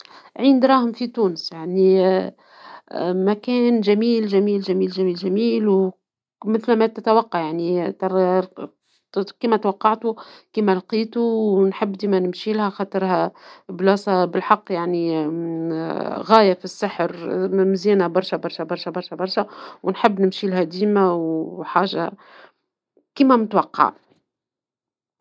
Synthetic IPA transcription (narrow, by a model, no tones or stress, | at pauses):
ʕiːnd̪ɾˤɑːhʊmfit̪uːnəsjaʕni | mækæːnʒæmiːlʒæmiːlʒæmiːlʒæmiːlʒæmiːlw | mɪθlmæt̪ɪt̪æwɑqːɑʕjaʕnit̪ | kiːmæt̪wɑqːɑʕt̪ukiːmælqiːt̪uwnħɪbːd̪iːmænɪmʃiːlhæxɑt̪ˤəɾhæblɑːsˤɑbɪlħɑqːjaʕni | ɣæːjæfisːaħɾmzjæːnæbɑɾˤʃæbɑɾˤʃæbɑɾˤʃæbɑɾˤʃæbɑɾˤʃwnħɪbːnɪmʃilɦæd̪iːmæwħaːʒa̰ | kiːmæmʊt̪wɑqːɑ̰ʕ